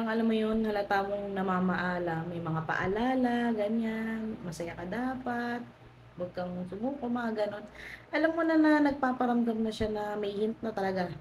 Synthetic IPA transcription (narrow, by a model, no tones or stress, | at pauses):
ɐŋʔɐlamːojonhɐlat̪aːɡoŋnɐmaːmɐʔaːlɐmɐjmɐŋapɐ̰ʔɐ̰laːlɐɡɐɲanmɐsɐjakɐd̪aːpat̪̚ | wɐɡ̚kɐŋsʊmuːkoʔmɐŋaɡɐno̞nʔɐlamːonɐnɐnɐɡ̚paːpɐɾɐmd̪ɐmnɐʃanɐmɐjhɪnt̪̚nɐt̪ɐlɐɡa